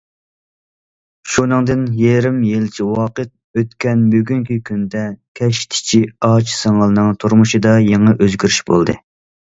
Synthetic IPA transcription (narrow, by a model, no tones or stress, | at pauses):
ʃunɨŋd̪ɨnjɛɾɪmjelt͡ʃʰiwɑqət̪̚øt̪kʲʰɛnbyɡʲyŋkʲikʲʰynd̪ɛkʲʰɛʃt̪ʰɪ̥t͡ʃʰiɑt͡ʃʰsɑŋɑlˠnɨŋt̪ʰuɾmuʃɨd̪ɑjeŋɑʔøzɡʲyɾyʃbo̰lˠd̪ɨ